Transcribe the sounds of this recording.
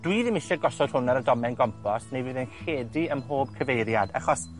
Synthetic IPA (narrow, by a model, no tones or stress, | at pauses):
d̥wiðɪmɪʃɔɡɔsɔd̥hʊnaɾədɔmɛnɡɔmpʰɔsnejviːðənxeːdiəmɦoːb̥̚kʰəvejɾjada̰χɔs